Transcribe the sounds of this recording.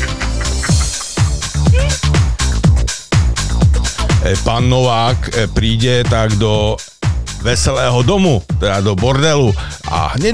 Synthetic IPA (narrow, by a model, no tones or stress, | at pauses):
ɛpaːnːɔʋaːkpɾiːɟɛt̪aɡd̪ɔ | ʋɛsɛlɛːɦɔd̪ɔmut̪ɛd̪ad̪ɔbɔɾd̪ɛluʔa̰ɦɲɛ